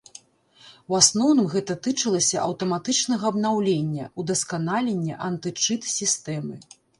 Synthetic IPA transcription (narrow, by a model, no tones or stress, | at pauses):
wasnɔwnɨmɣɛt̪ɐt̪ɨt͡ʂɐlˠɐsʲɐʔɐwt̪ɐmat̪ɨt͡ʂnɐɣɐɐbnawlʲenʲːɐ̰ud̪ɐskanalʲenʲːɛʔɐnt̪ɨt͡ʂɨt̪sʲist̪ɛmɨ